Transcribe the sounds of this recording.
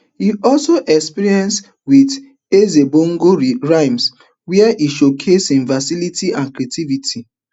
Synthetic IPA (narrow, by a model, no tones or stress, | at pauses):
hiɔlsoʔɛkspiɾiɛ̃ns | wid | ezeboŋ̩ɡoɾiɹaɪms | wiɛʔiʃokʰesĩnfasilitiãnkɾetivitʰi